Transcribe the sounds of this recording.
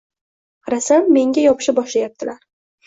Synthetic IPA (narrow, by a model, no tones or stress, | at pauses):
qʰɑɾasanːe̞ŋɡʲajɒpɪ̥ʃɪbɒʃlajap̚t̪ʰɪlaɾ